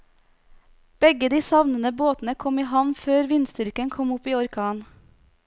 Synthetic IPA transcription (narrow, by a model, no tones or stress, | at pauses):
b̥ɛɡəd̪iːsɑʋnənəboːt̪n̩əkʰɔmiːɦɑʋnføːɾʋɪnst̪ʏɾkənkʰɔmʊpiːɔɾkʰɑːn